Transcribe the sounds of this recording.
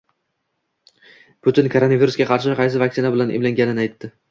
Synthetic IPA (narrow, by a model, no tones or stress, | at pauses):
pʊt̪ɪnkʰoɾo̞naviɾʊsɡʲaqʰɑɾʃ̬ɪqʰɑjs̬ɪvak̚ʲsɪnabɪlanḛmlaŋʲanɪnajt̪ːɪ